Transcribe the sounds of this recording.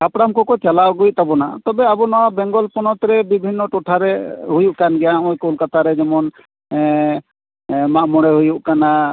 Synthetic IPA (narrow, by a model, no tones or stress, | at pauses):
kapɽamkɔkɔt͡ʃalaɡujt̪abɔnat̪ɔbɛabɔnɔwabɛŋɡɔlpɔnɔt̪ɾɛbibʱinːɔʈɔʈʰaɾɛɦujuʔkanɡɛjaɔjkolkat̪ʰaɾɛd͡ʒɛmɔn | maʔmɔɽɛɦujuʔkana